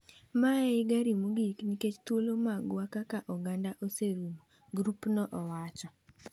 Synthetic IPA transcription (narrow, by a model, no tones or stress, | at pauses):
maɪɡaɾimuɡikniket͡ʃt̪wolomaɡwakakaʔɔɡandaʔoseɾumu | ɡɾupnɔʔɔwat͡ʃɔ